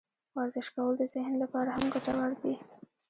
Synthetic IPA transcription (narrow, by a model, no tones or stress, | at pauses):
waɾzɪʃkawəlod̪əzɪhnlapɑɾahamɡaʈawaɾd̪i